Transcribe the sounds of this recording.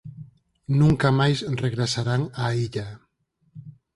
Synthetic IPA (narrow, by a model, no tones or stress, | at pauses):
nuŋkamajsreɣɾesaɾanaiʎa